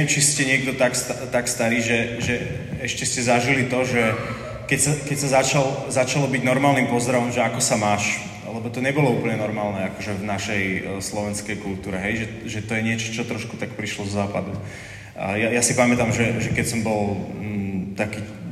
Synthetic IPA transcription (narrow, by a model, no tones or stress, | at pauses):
ɛɛmt͡ʃiscɛɲɪɛɡd̪ɔt̪akst̪at̪akst̪aɾiːʒɛʒɛ | ɛʃcɛscɛzaʒilit̪ɔʒɛ | kɛcsakɛcsazat͡ʃalzat͡ʃalɔbiɟnɔɾmaːlnimpɔzd̪ɾaʋɔmʒɛakɔsamaːʃ | lɛbɔt̪ɔɲɛbɔlɔuːpl̩ɲɛnɔɾmaːlnɛakɔʒɛvnaʃɛjslɔʋɛnskɛjkult̪uːɾɛɦɛjʒɛʒɛt̪ɔjɛɲɪɛt͡ʃɔ̥t͡ʃɔt̪ɾɔʃku̥t̪akpɾiʃlɔzɔzaːpad̪u | jajasipamɛt̪amʒɛʒɛkɛcsɔmbɔl | t̪akiː